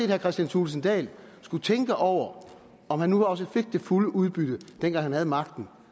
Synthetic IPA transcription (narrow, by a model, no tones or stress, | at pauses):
e̝ːd̥hæɐkʰʁɛsd̥jænt͡sʰulsn̩d̥ɛ̰ːlsɡ̥ut͡sʰeŋɡ̥əʔɒʊ̰ɐ | ɒ̽mhænːuhɑ̈ɒ̽s̬əfe̝ɡ̥̚d̥e̝fuləʔuð̞ˠb̥yɾ̥əd̥enɡ̥ɑ̈ŋhænhæð̞̩ˠmɑ̈ɡ̥̚d̥n̩